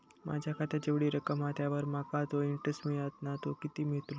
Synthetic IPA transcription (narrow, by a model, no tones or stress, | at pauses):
mʔa̰d͡ʑʱjakʰat̪jad͡ʑeʋɽiːɾəkəmat̪ʰjaʋəɾmakat̪oiɳʈəsʈmiɭat̪nat̪okit̪iːmeɭt̪ulo